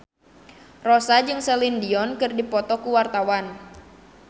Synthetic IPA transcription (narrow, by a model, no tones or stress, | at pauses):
rɔsad͡ʒɨŋsɛlindiɔnkɨrdipɔt̪ɔkuwart̪awan